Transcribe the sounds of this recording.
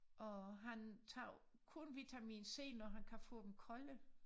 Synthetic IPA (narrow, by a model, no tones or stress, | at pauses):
ʔɒɦænt͡sʰɑ̰̈ː | kʰunʋit͡sʰæmḭːnse̝̰ːnːɒɦænkʰæfɔ̰̽ːd̥em̩kʰɒ̽lə